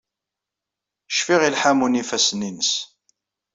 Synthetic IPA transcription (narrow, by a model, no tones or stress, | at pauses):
əʃfiʁilħamunifæsninəs